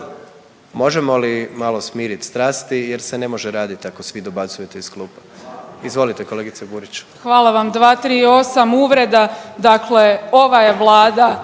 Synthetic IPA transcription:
mo̞ʒemo̞limalo̞smiːɾit̪st̪ɾaːst̪ijeɾsene̞mo̞ʒeɾaːd̪it̪iako̞sʋid̪obat̪sujet̪eisklˠuːpaizʋo̞lit̪eko̞le̞ɡit̪ebuɾit͡ɕu̥xʋaːlˠaʋamd̪ʋaːt̪ɾiːo̞samuʋɾe̞d̪ad̪akle̞o̞ʋaje̞ʋlˠaːd̪a

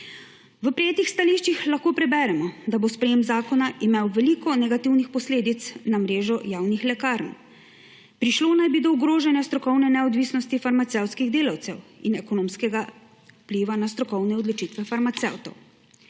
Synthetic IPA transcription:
ʋəpɾɛjeːt̪ixst̪aliʃt͡ʃixlaxkoːpɾɛbɛːɾɛmɔd̪abospɾɛjeːmzaːkɔnaʔimewʋɛlikɔnɛɡat̪iwnixpɔsleːd̪it̪snamɾeːʒɔjaːwnixlɛkaːɾn | pɾiʃloːnajbid̪ɔuɡɾoːʒɛnjast̪ɾɔkɔwnɛnɛɔd̪ʋiːsnɔst̪ifaɾmat̪sɛwt̪skiɣd̪eːlawt̪sɛwinɛkɔnoːmskɛɡa | pliʋanast̪ɾɔkɔwnɛɔd̪lɔt͡ʃit̪ʋɛfaɾmat̪sɛ̰wt̪ɔ̰w

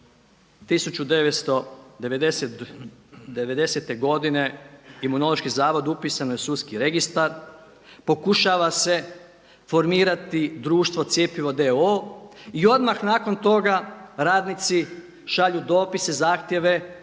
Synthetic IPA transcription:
t̪isut͡ʃud̪e̞ʋet̪st̪o̞d̪eʋed̪eset̪ | d̪eʋe̞d̪e̞se̞t̪e̞ɡo̞d̪ine̞imuno̞lˠo̞ʃkizaːʋo̞d̪upiːsanojesuskiɾe̞ɡist̪aɾ | po̞kuʃaːʋase̞ | fo̞ɾmiːɾat̪id̪ɾuːʃt̪ʋo̞t̪sje̞piʋo̞d̪e̞oːio̞d̪maxnaːko̞nt̪o̞ɡaɾaːd̪nit̪si | ʃaʎud̪o̞ːpise̞zaːxt̪je̞ʋe̞

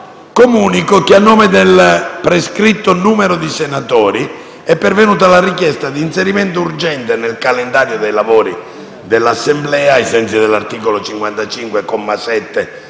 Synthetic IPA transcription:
komuːnikʊk̟ɪanːɔːmɪd̪elpɾeskɾit̪ːʊnuːmɛɾʊd̪isɛnat̪ɔːɾi | ɛpːɛɾvenuːt̪̬alarikjɛst̪ad̪iːnsɛɾimɛnt̪ʊurd͡ʒɛnt̪enelkalɛnd̪aːɾjod̪ejlavoːɾi | d̪elːasːɛmblɛːajsɛnt̪sid̪ɛlːart̪iːkolot͡ʃiŋkwant̪at͡ʃiŋkwekɔmːasɛt̪ːe

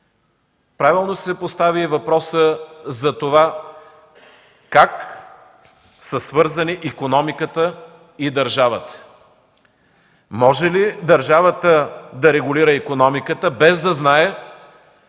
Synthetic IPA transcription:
pɾavilˠnosɛpost̪avivɐpɾɔsəzɐt̪ova | kak | səsvɤɾzɐniʔikonɔmikət̪ə | id̪ɐɾʒavət̪ə̥ | mɔʒɛlid̪ɐɾʒavət̪əd̪ɐɾɛɡʊliɾəikonɔmikət̪əbɛzd̪ɐznaɛ

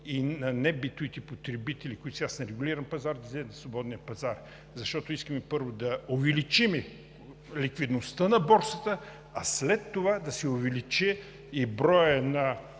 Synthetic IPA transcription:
inɐnɛbit̪uit̪ɛpot̪ɾɛbit̪ɛlikʊit̪sɛasnɛɾɛɡʊliɾɐmpɐzaɾd̪ɐzd̪ɛnɐsvˠobɔd̪nijəpɐzaɾ | zɐʃt̪ɔt̪oiskəmɛpɤɾvod̪ɐovɛlit͡ʃimɛ | likvid̪nost̪ənɐbɔɾsət̪ə | ɐslɛt̪ːovad̪ɐsɛovɛlit͡ʃɛ | ibɾɔjənɐ

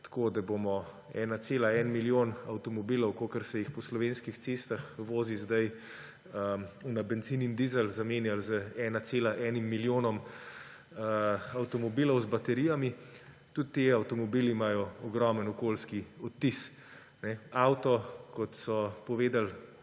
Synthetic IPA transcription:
t̪ḁkoːd̪abomɔ | ɛ̰nat̪seːlaɛnmiljoːnawt̪ɔmɔbilɔwkokəɾsɛjixpɔslɔʋeːnskixt̪seːst̪axʋoːzizd̪aj | əunabɛnt̪zinind̪izəlzameːnjalzəɛːnat̪seːlaʔɛnimːiljoːnɔm | əawt̪ɔmɔbilɔwzbat̪ɛɾijami | t̪ut̪ːeawt̪ɔmɔbilimaːjɔɔɡɾɔmənɔkoːlskiɔt̪ːis | nɛawt̪ɔkɔt̪sɔpɔʋeːd̪al

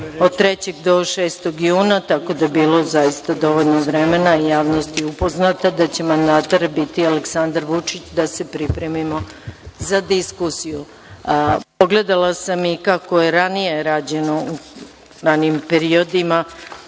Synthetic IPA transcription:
od̪̚t̪ːɾe̞t͡ɕe̞ɡd̪o̞ʃe̞ːst̪o̞ɡjuːnat̪ako̞d̪ajebiːlˠo̞zajist̪ad̪o̞ʋo̞ʎʲnoʋɾe̞me̞naijaːʋno̞st̪jupo̞znat̪ad̪at͡ɕe̞mand̪aːt̪oɾbit̪ialeksand̪aɾʋut͡ʂit͡ɕd̪ase̞pɾipɾe̞mimo̞zad̪iskusiju | po̞ɡle̞d̪alˠasamikako̞je̞ɾanije̞ɾaːd͡ʑe̞no̞u | ɾanimpe̞ɾio̞d̪ima

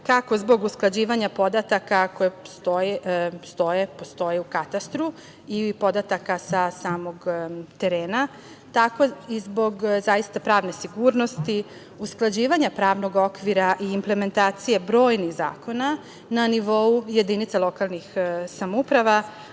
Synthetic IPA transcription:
kako̞zbo̞ɡusklˠad͡ʑiːʋaɲapo̞d̪at̪akako̞jest̪ojest̪o̞jepo̞st̪o̞jeukat̪ast̪ɾu | ipo̞d̪at̪akasasaːmo̞ɡt̪e̞ɾeːna | t̪ako̞izbo̞ɡzajist̪apɾaːʋne̞siɡuːɾno̞st̪i | usklˠad͡ʑiːʋaɲapɾaːʋno̞ɡo̞kʋiɾaʔiːmple̞me̞nt̪aːt̪sije̞bɾo̞ːjnixza̰ːko̞na | naniʋo̞uje̞d̪init̪salˠo̞kalˠnixsamoupɾaʋa

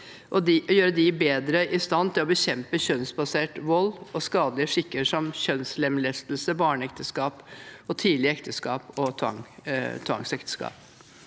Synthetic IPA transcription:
ʔɔd̪ɪʔɔjøːɾəd̪ɪbeːd̪ɾəʔɪst̪ɑnːt̪ʰɪlɔbəɕɛmpəɕœnsbɑseːʈʋɔlːɔskɑːd̪lɪəʂɪkːəʂɔmçœnslɛmlɛst̪lsəbɑːɳəɛkt̪ʰəskɑːpɔt̪ʰiːd̪lɪəɛkt̪ʰəskɑːpɔt̪ʰʋɑ̰ŋt̪ʰʋɑ̰ŋsɛkt̪ə̥skɑ̰ːp̚

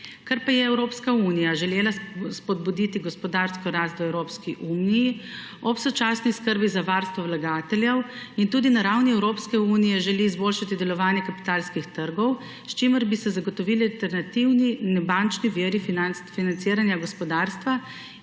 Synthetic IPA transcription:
kaɾpajɛɛwɾoːpskauːnijaʒɛleːlaspɔd̪̚bud̪it̪iɡɔspɔd̪aːɾskɔɾaːst̪ʋɛwɾoːpskiʔuːniji | ɔpsɔt͡ʃaːsniskəɾbizaʋaːɾst̪ʋɔwlaɡaːt̪ɛljɛwint̪uːd̪inaɾawniɛwɾoːpskɛuːnijɛʒɛliːzbolʃat̪id̪ɛlɔʋaːnjɛkapi̥t̪aːlskixt̪əɾɡɔw | st͡ʃiməɾbisɛzaɡɔt̪ɔʋilialt̪ɛɾnat̪iwninɛbant͡ʃniʋiɾifiafinant̪siːɾanjaɡɔspɔd̪aːɾst̪ʋa

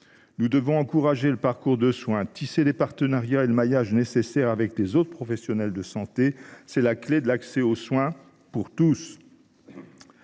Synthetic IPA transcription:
nud̪əvɔ̃ɑ̃kuʁaʒeləpaʁkuʁd̪əswɛ̃t̪iselepaʁt̪ənaʁjaeləmajaʒnesesɛʁavɛklezot̪χəpχɔfɛsjɔnɛld̪əsɑ̃t̪esɛlakled̪əlaksɛoswɛ̃ | puʁt̪us

